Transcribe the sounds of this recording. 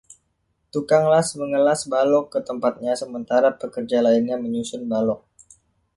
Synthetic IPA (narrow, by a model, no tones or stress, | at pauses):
t̪ukaŋlasməŋəlasbalɔkːət̪əmpat̪̚ɲasəmənt̪aɾapəkərd͡ʒalainɲaməɲusʊnbalɔk̚